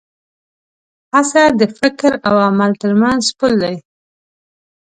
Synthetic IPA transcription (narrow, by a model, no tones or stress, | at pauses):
hasad̪əfɪkɾawamalt̪əɾmanzpʊld̪aj